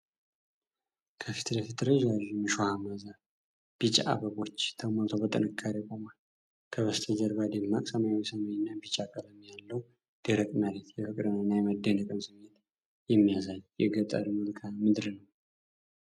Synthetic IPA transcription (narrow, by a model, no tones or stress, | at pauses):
kʰəfi̥t̪ʰləfit̪ɾəʒaʒmɨʃohamaza | b̥it͡ʃʼʔa̰bəɡo̞t͡ʃːt̪ʰəməlt̪ʰobət̪ʼɨ̰nɨkʰːaɾekʼomal | kʰəβəst̪ʰəd͡ʒəɾbad̪emːakʼsəmawisəmajnːabit͡ʃʼakʼələmjalːəw | d̪̥eɾəkʼmaɾet̪jɛfɨkʼɾɨnɨnːajɛməd̪ːənəkʼɨmsɨmet̪ | jɛmːijazaljɛɡət̪ʼa̰d̪mulkʰamɨd̪ɾnəw